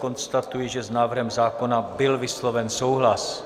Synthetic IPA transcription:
ko̞nst̪at̪ujiʒɛznaːvr̩ɦɛmzaːko̞nabɪlvɪslo̞vɛnso̞wɦlas

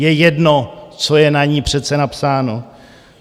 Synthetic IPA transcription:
jɛjɛdnot͡so̞jɛnaɲiːpr̝̥ɛt̪t͡sɛnapsaːno

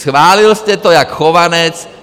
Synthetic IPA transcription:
sxʋaːlilscɛt̪ɔjakxɔʋanɛt͡s

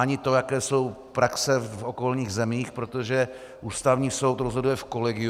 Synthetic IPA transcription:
aɲɪt̪o̞jakɛːso̞w | pɾaksɛfoko̞lɲiːɣzɛmiːxpɾo̞t̪oʒɛ | ʔuːst̪avɲiːso̞wt̪ɾozɦo̞dujɛfko̞lɛɡɪ

